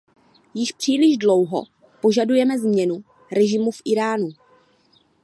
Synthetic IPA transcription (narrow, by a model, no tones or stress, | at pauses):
jɪʃpr̝̥iːlɪʒdlo̞wɦo̰ | po̞ʒadujɛmɛzmɲɛnu | ɾɛʒɪmufʔɪɾaːnu